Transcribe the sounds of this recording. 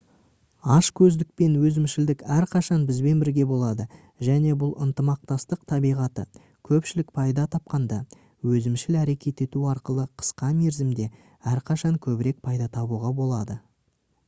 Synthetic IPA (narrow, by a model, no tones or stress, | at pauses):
ɑʃkʲʰɵzd̪ɪk̚pe̞nwɵzɪmʃɪld̪ɪkæɾqʰɑʃɑnbɪzbe̞nbɪɾɡʲe̞bo̞lˠɑd̪ə | ʒæne̞bʊlˠənt̪əmɑq̚t̪ɑst̪əqt̪ʰɑbijʁɑt̪ə̰ | kʲʰɵpʃɪlɪk̚pʰɑjd̪ɑt̪ʰɑp̚qɑnd̪ɑ | wɵzɪmʃɪlæɾe̞kʲʰe̞t̪e̞t̪uɑɾqəlˠəqʰə̥sqɑme̞ɾzɪmd̪e̞ | æɾqʰɑʃɑŋkʲʰɵbɪɾe̞k̚pʰɑjd̪ɑt̪ʰɑbuʁɑbo̞lˠɑd̪ə